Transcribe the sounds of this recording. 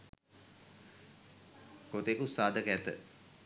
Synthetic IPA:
kot̪ekusaːd̪əkɛt̪ə̰

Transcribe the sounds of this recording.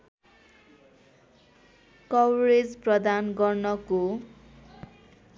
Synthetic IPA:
kʌwɾed͡zprʌd̪anɡʌrnʌko

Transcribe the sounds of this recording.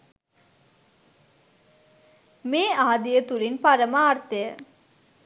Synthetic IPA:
meːaɦad̪ijət̪ulinpaɾəmaːrt̪ejə

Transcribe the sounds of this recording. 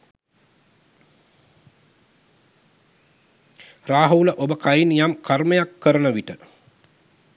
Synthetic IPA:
raːɦəuləʔobəkajinjamkʰarməjakːəɾənəʋiʈə

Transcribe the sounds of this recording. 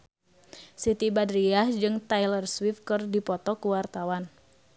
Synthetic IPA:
sit̪ibadɾiahd͡ʒɨŋt̪ajlərswifkɨrdipɔt̪ɔkuwart̪awan

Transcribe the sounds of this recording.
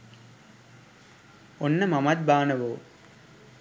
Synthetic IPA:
onːɐmɐmɐt̪̚baːnɐʋoː

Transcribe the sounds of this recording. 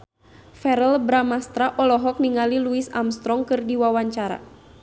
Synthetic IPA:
fɛɾəlbɾamast̪ɾaʔɔlɔɦɔk̚niŋaliluisa̰mst̪ɾɔŋkɨrdiwawaɲt͡ʃaɾa̰

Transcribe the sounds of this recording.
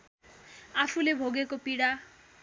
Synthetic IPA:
afʰulebʱoɡekopiɽa

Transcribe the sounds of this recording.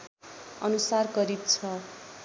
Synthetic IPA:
ʌnusarɡʌɾit̪t͡sʰʌ

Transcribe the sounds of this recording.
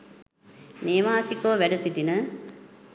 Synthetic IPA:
neːʋaːsikoːʋæɖɐsiʈinə

